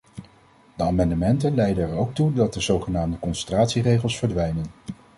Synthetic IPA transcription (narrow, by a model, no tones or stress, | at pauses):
dəaːmɑndəmɛntənlɛjdənɛɹowk̚tudɑt̚dəzowχənaːmdəkɔnsəntraːtsirejχəlˠsfəɹdʋɛjnən